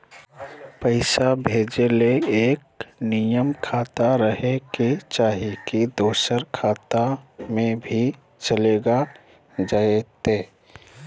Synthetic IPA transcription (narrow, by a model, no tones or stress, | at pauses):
pəɪsabʱeːd͡ʒeleeːk̚nijəmkʰaːt̪aɾəɦeket͡ʃaːɦikid̪oːsəɾkʰaːt̪amẽbʱi | t͡ʃəleːɡa | d͡ʒaːet̪eː